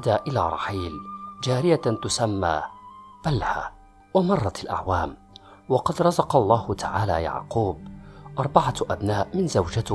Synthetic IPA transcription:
d̪aːʔɪla̰ːɾˤɑ̰ħiːld͡ʒaːɾɪjat̪ʊsamːa̰ːb̥alha̰ | wamɑrˤːɑalʔa̰ʕwaːm | wɑqɑd̪ɾˤɑzɑqɑlˤːɑːhʊt̪ʰaʕaːla̰ːja̰ʕquːb̚ʔɑɾˤbaʕaʔabnaːʔmɪnzawd͡ʒat̪

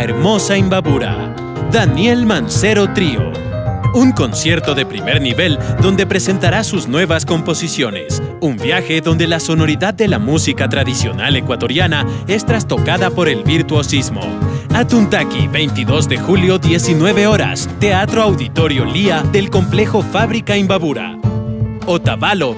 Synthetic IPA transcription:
eɾmo̞saimbaβuɾa̰ | ðanje̞lmanse̞ɾo̞t̪ɾio̰ | uŋko̞nsje̞ɾt̪o̞ðe̞pɾime̞ɾniβe̞ld̪o̞nd̪e̞pɾe̞se̞nt̪aɾasuznweβasko̞mpo̞sisjo̞ne̞̰sumbjaxe̞ðo̞nd̪e̞laso̞no̞ɾiðaðːe̞lamusikat̪ɾaðisjo̞̰nale̞kwat̪o̞ɾjanae̞st̪ɾast̪o̞kaðapo̞ɾe̞lβiɾt̪wosizmo̰at̪unt̪akḭβe̞jnt̪iðo̞zðe̞xuljoðje̞sinwe̞βe̞o̞ɾa̰st̪e̞at̪ɾoawðit̪o̞ɾjo̞liaðe̞lko̞mple̞xo̞faβɾikaimbaβuɾa̰ | ot̪aβalo̞

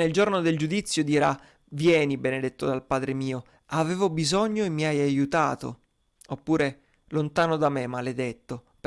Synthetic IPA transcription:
eld͡ʒornod̪eld͡ʒud̪it̪sːjod̪iːɾa | vjɛːnibened̪et̪ːod̪alpaːd̪ɾemiːo | aveːvobizɔɲːoemːiajajut̪aːt̪o̰ | opːuːɾe | lont̪aːnod̪amemaled̪et̪ːo | p

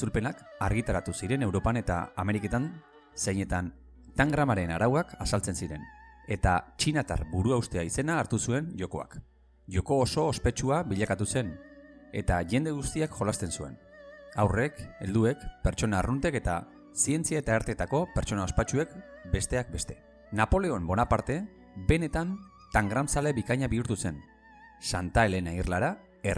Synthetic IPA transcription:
t͡sulpe̞nakaɾɣ̞it̪aɾat̪usiɾe̞ne̞wɾo̞pane̞t̪a̰ːme̞ɾike̞t̪an | se̞jɲe̞t̪an | t̪aŋɡɾamaɾe̞naɾawakasalt͡se̞nsiɾe̞̰ne̞t̪at͡ʃinat̪a̰ɾbuɾuawst̪eaise̞naːɾt̪usue̞nʝo̞ko̞a̰k | ʝo̞ko̞ːso̞ːspe̞t͡ʃuaβiʎakat̪use̞n | e̞̰t̪aʝe̞nd̪e̞ɣ̞ust̪iakxo̞last̪e̞nsue̞̰n | awre̞ke̞ld̪ue̞kpe̞ɾt͡ʃo̞naːrunt̪eke̞t̪a̰ | sie̞nt͡siaet̪aeɾt̪e̞t̪ako̞pe̞ɾt͡ʃo̞nao̞spat͡ʃue̞kbe̞st̪e̞ak̚be̞st̪e̞ | napo̞le̞o̞mbo̞napaɾt̪e̞ | be̞ne̞t̪an | t̪aŋɡɾamsale̞βikaɲaβiuɾt̪use̞n | sant̪aele̞nairlaɾa | er

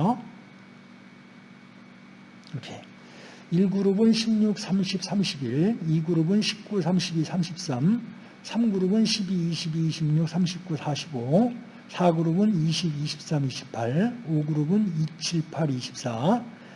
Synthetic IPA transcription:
kʰe | iɭɡuɾobɯnɕʰimɲuk̚s͈ʰamɕʰip̚s͈ʰamɕʰibiɾiɡɯɾobɯnɕʰi̥p̚k͈usʰamɕʰibisʰamɕʰip̚s͈am | sʰamɡuɾobɯnɕʰibiːɕʰibiɕʰimɲuk̚sʰamɕʰip̚k͈usʰaɕʰibo | sʰaɡɯɾobɯniɕʰibiɕʰi̥p̚s͈amiɕʰi̥p̚pʰaɾoɡɯɾobɯnit͡ɕʰiɭpʰaɾiɕʰi̥p̚s͈a

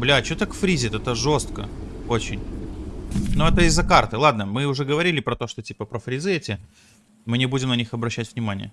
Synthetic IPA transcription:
blʲat͡ɕot̪akfɾʲizʲɪt̪ɛt̪əʐo̞st̪̚kəot͡ɕɪnʲ | nuɛt̪əɪzːɐkart̪ɨlˠad̪nəmɨʊʐɛɡəvɐɾʲilʲɪpɾɐt̪o̞ʂt̪otʲipəpɾəfɾʲɪzɨetʲɪ | mɨnʲɪbudʲɪmnɐnʲixɐbɾɐɕːætʲvnʲɪmanʲɪ̰jə

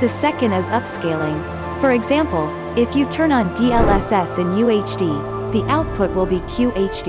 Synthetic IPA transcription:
ðɨsɛkɨ̃ndɨzʌpskeɪlˠɪ̃ŋ | fə˞ɨɡzæ̃mpl̩ˠ | ɪfjɨtʰɜ̃˞nə̃ndiɛlˠɛsɛsɨ̃njʉeɪt͡ʃd̥i | ðiʔaʊt̚pʰʊt̚wəlˠbikʰj̥ʉʔeɪt͡ʃd̥

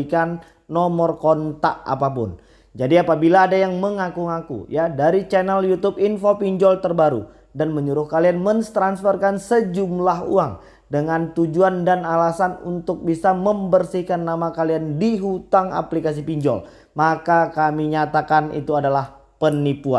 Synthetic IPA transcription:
ikanː | ɔmɔrkɔnt̪a̰ʔa̰papʊ̰n | d͡ʒadiapabilaːdajaŋməŋakuŋakṵjadaɾit͡ʃɛnɛljut̪upinfopiɲd͡ʒɔlt̪ərbaɾṵ | danməɲuɾʊhkalianmənst̪ɾansfərkansəd͡ʒumlaɦṵaŋ | dəŋant̪ud͡ʒuandanalasanṵnt̪ʊk̚bisaməmbərsihkanːamakaliandiɦut̪aŋa̰plikas̬ipiɲd͡ʒɔ̰l | makakamiɲat̪akanḭt̪uadalahpənipua̰

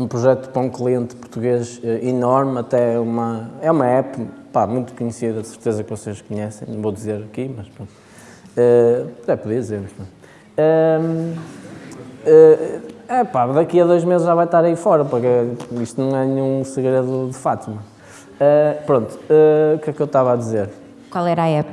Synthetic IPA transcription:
ũpɾuʒɛt̪u̥põw̃klˠiẽnt̪puɾt̪uɣeʒɛinɔɾmɐt̪ɛumɐɛumɐɛpupamũj̃t̪u̥kuɲɨsiðɐsɨɾt̪ezɐkvɔseʃkuɲɛsẽj̃nɐ̃w̃voðizeɾɐkimɐʃpɾõnt̪ | ɛd̪ɛpuðiɐðizeɾmuʃpɐ̃ | ɛ | ɛ | ɛpaðɐkiɐðojʒmezɨʒavajt̪aɾɐifɔɾɐpuɾkɛiʃt̪unɐ̃w̃ɛnɨɲũsɨɣɾeðuðɨfat̪imɐ | ɛpɾõnt̪u̥ɛukɛkewt̪avaðizeɾ | kwalˠɛɾaɛp

